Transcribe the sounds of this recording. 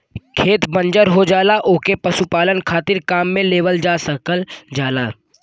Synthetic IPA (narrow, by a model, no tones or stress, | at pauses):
kʰeːt̪bə̃nd͡ʒəɾɦod͡ʒaːlaʔoːkepɐsupaːlənkʰaːt̪ɪɾkaːmːẽleːʋəld͡ʒaːsəkəld͡ʒaːlaː